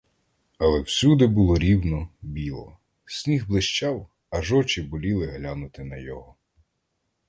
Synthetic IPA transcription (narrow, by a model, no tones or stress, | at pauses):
ɐlˠɛwsʲud̪ɪbʊlˠɔɾʲiwnɔbʲilˠɔ̰ | sʲnʲiɦblˠɪʃt͡ʃɑw | ɐʒɔt͡ʃɪbɔlʲilˠɪɦlʲanʊt̪ɪnɐjɔɦɔ